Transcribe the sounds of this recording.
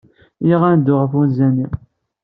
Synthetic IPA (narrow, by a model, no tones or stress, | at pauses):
jiʁænd̪ʊʁəfunzæni